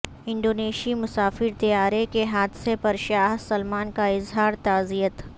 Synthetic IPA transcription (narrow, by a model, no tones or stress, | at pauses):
ɪ̃ɳɖoːneːʃimʊsaːfɪɾt̪ɐjaːɾekeɦaːd̪sepɐɾʃaːɦsɐlmaːnkaɪzɦaːɾt̪aːzijət̪